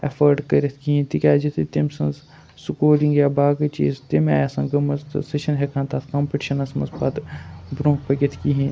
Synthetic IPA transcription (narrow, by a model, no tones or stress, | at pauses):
ɐfəɾɖkɐɾʲet̪ʰkiɦẽt̪ikʲaːd͡ʒit̪ʰit̪emsɐ̃nz | sukoːɾĩŋɡjaːbaːɡɐt͡ʃḭːzt̪ema̰jasɐ̃ŋɡɐmɐzt̪seʃɐnɦekʰãːnt̪aːt̪ʰkɐːmpiʈi̥ʃɐnɐsmɐ̰zpaːt̪bɾõːɦpɐɡʲet̪ʰkiɦẽ